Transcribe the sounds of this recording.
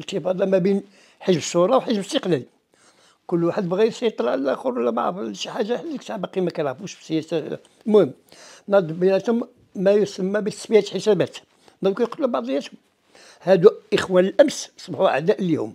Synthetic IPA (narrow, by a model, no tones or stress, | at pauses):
t̪ːəfɑd̪ˤɑmæbin | ħəʒbəʃːuɾˤɑwħəʒbəst̪əqlæl | kʊlːwaħəd̪bɣiɾsɑjt̪ˤɾˤʕlʔæ̰xəɾwlːæba̰ʕfʃħaʒːaħəlːəkt̪aʕbɑqimækæjʕɑfuʃbə̥sːəjæsa | lmʊhəmːnɑd̪ˤbənæt̪hʊmː | æjusəmːæbit̪ːəsbijʕat̪əlħəsæbæt̪ | mæd̪kujqt̪lːubɑʕd̪ˤəjːæt̪hʊm | hæd̪uʔəxwænəlʔæmssˤbħuʕa̰ʕd̪æʔlihʊ̰m